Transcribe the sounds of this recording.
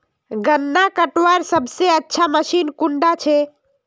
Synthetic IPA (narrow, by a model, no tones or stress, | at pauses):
ɡənːakəʈwaɾsəbseətːʃʰaməʃinkuɳɖat͡ʃʰe